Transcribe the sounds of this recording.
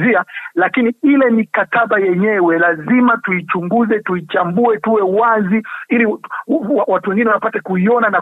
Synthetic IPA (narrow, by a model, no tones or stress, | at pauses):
zialakiniilɛmikataɓajɛɲɛwɛlazimatuit͡ʃuŋɡuzɛtuit͡ʃambuɛtuwɛwaziiliawatuwɛŋɡinɛwaapatakuiɔnana